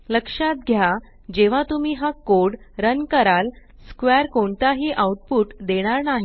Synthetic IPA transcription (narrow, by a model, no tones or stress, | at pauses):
ləkʂat̪̚ɡʱja | d͡ʑeʋ̤at̪umiːɦakoɽ | ɾənkəɾal | skʋɛɾkoɳt̪aɦiːʔawʈ̚puːʈd̪eɽ̃aɾnaɦi